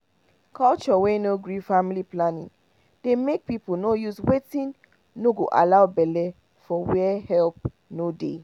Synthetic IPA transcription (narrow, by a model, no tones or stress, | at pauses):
kʰɔlt͡ʃɔwenoɡɹifamiliplanḭ̃ŋ | demek̚pipolnojuzwetĩn | noɡoʔa̰laʊbɛlɛ | fɔwɛhɛlp̚ | nodḛ